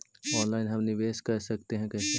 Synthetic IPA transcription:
ɔːnlaːɪnɦɐmnɪʋeːʃkɐɾsɐk̚t̪eɦɛ̃kɛse

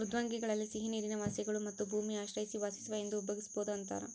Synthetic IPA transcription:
ɾud̪ʱʋaːŋɡiɡɐɭɐlːisiɦiniːɾinɐʋaːsjɐɡɐɭumɐt̪ːubʱuːmiaːʃɾɐjisiʋaːsi̥sɐʋɐje̞nd̪uːbʱɐɡisboːd̪uɐnt̪a̰ːɾḛ

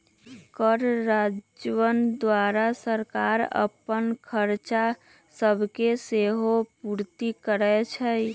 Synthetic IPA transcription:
kəɾːad͡ʒʋənd̪waɾasəɾkaɾə̰pənkʰəɾt͡ʃa | səbʱkeseɦopuɾt̪ikəɾɛt͡ʃʰəj

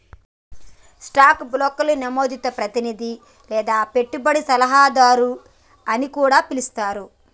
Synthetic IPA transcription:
sʈaːkblɔːkɐlunɐmo̞ːd̪it̪ːɐpɾɐt̪inid̪i | lɛːd̪aːpe̞ʈːubɐɽisɐlɐɦaːd̪aːɾu | ɐnikuːɽaːpilist̪aːɾu

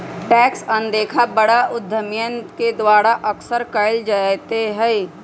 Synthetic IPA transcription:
ʈɛːksə̃nd̪eːkʰabəɽaʔʊd̪ʱːəmjənked̪waːɾaʔɐksəɾkəɪld͡ʒaːt̪eɦɛː

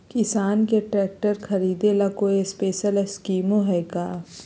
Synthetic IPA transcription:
kɪsaːnkeʈɾɛːk̚ʈəɾkʰɐɾiːd̪elakoespeːʃəleskiːmoɦɛːkaː

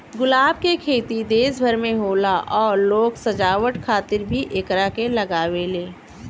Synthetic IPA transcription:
ɡʊlaːb̚kekʰeːt̪id̪eːsbʱəɾmẽɦoːlaʔɔːɾloːɡsɐd͡ʒaːwəʈkʰaːt̪ɪɾbʱiʔekɾakelɐɡaːweleː

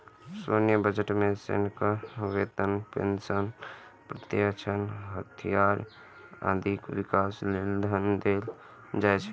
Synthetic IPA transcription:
sonjəbəd͡ʒəʈmesḛnkəʋet̪ənpḛnsənpɾət̪jəkt͡ʃʰənɦət̪ʰijaɾ | ã̰d̪ʱikwikaslend̪ʱənd̪el | d͡ʒajt͡ʃʰɛ

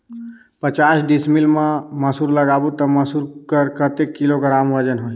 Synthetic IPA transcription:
pət͡ʃaːsɖismilmãməsuːɾləɡabut̪əməsuɾkəɾkət̪ekːilokəɾaːmʋəd͡ʒənɦoi

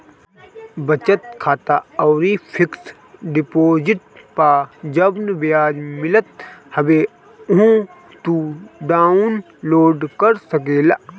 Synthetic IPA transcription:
bɐt͡ʃət̪̚kʰaːt̪aɔːɾipʰɪks | ɖɪpoːd͡ʒɪʈ̚pad͡ʒɐbnʋejaːd͡ʒmɪlət̪̚hɐʋe | ʊɦũ | t̪uɖaːʊn | loːɖkɐɾsɐk̬eːla̰ː

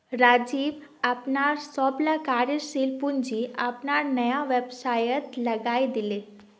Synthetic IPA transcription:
ɾad͡ʑiːb | apnaɾsɔblakaːɾjəɾsiːlpund͡ʑiːapnaɾnəjaʋebsajət̪lɐɡajd̪ile

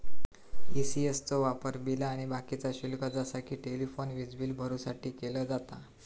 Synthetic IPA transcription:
isiest͡sɔʋapəɾbilaːɽ̃ibakit͡saɕulkad͡zasakʰiːʈelifonʋid͡zʋiːlbʱəɾuːsaʈʰiːkeləːd͡zat̪a

